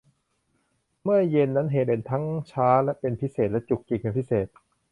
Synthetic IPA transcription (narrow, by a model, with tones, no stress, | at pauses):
mɯ˥˩ɐje˧nːa˦˥nɦeː˨˩t̪̚e˨˩nt̪ʰa˦˥ŋt͡ɕʰaː˦˥lɛ˦˥pe˧npʰi˦˥seː˨˩t̪̚lɛ˦˥t͡ɕu˨˩k̚t͡ɕi˨˩k̚pe˧npʰi˦˥seː˨˩t̪̚